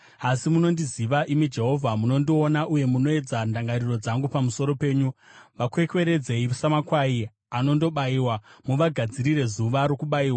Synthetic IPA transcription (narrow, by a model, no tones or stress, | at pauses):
asimuno̞ndiziʋaʔimid͡ʒe̞ɦo̞vʱamuno̞ndionaʔuje̞muno̞e̞d͡zandaŋɡariro̞d͡zaŋɡupamuso̞ɾo̞pe̞ːɲuʋakwe̞kwe̞ɾe̞d͡ze̞iʋusamakwai | ano̞ndo̞ɓaiwamuʋaɡʱad͡ziɾire̞zuʋaɾo̞kuɓaiːwa